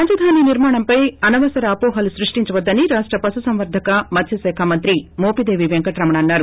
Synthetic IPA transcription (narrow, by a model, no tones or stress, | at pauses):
ɐɲd͡ʒɐd̪ʱaːniːniɾmaːɳɐmpɐjɐnɐʋɐsɐɾɐɐːpɔːɦɐlusɾiʂʈiɲt͡ʃɐʋɐd̪ːɐniɾaːʂʈɾɐpɐsusɐmʋɐɾd̪ʱɐkɐmɐt̪ʰjɐsɛːkʰaːmɐnt̪ɾimoːpid̪e̞ːʋiʋeŋkɐʈɾɐmɐɳɐɐnːaːɾu